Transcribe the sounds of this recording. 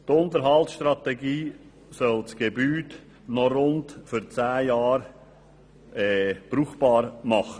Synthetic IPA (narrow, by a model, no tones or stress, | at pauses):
tʊnt̪əɾɦɑltsʃtɾɑt̪ɛɡiː | sœlt͡sɡ̥ebyːt | nɔɾʊntfʏɾt͡sæːjɑːɾ | ɛːb̥ɾuːχb̥ɑːɾmɑχə